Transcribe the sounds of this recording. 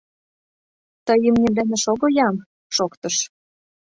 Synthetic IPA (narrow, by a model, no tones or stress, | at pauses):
t̪əjəmnʲemlæneʃoɣojɑm | ʃokt̪ɤ̆ʃ